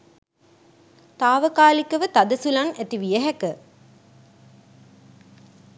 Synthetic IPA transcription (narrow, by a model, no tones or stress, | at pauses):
t̪aːʋəkaːlikɐʋət̪ɐd̪əsulaŋet̪iʋijɐɦɛkə